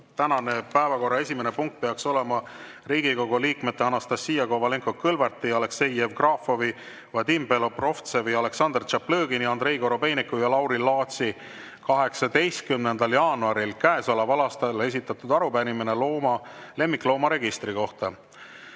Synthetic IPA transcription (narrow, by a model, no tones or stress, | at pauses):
t̪ænɑne̞pæevɑko̞rːɑe̞sʲimenepuŋk̚t̪̚peɑkso̞le̞mɑ | ɾiːɡ̥iko̞ɡ̥uliːkmet̪ːe̞ɑnɑst̪ɑsːiːjɑko̞vɑleŋkokɤlvɑrt̪ːˑiɑle̞kse̞jevkrɑfo̞vi | vɑd̪impelopro̞ft̪seviɑle̞ksɑnd̪rt͡ʃɑpløːɡiniɑnd̪ɾe̞jko̞ɾo̞pe̞jnikːˑujɑlɑwɾilːɑːt̪si | kɑɦe̞ksɑd̪e̞jst̪̚kymne̞nd̪ɑljɑːnuɑɾilkæesɑlɑvɑlɑst̪ɑle̞s̬ʲit̪ːˑɑt̪ud̪ɑɾupænimineloːmɑle̞mːikːˑlo̞ːmɑɾe̞ɡist̪ɾiko̞ht̪ɑ